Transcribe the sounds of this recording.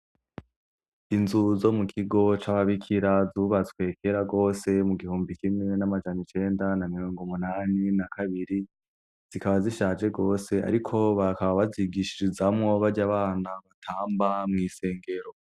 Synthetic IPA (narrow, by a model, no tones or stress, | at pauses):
inzuzo̞mukʰiɡo̞t͡ʃaβaβikʰiɾazuːβatkwe̞kʰeɾaɡo̞ːse̞muɡihuːmbikimŋe̞namad͡ʒanit͡ʃe̞ːndanamiɾo̞ːŋɡomunaːninakʰaβiɾi | z̥ikaβaziʃaːd͡ʒe̞ɡo̞ːse̞a̰ɾikʰo̞βakaβaβaziɡiʃiɾizamŋo̞βaɾɟaβaːnaβatʰaːmbamŋiːse̞ːŋɡe̞ɾo̞